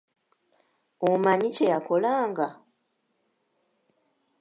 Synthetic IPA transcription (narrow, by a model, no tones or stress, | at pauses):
omaɲicejako̞laːŋɡa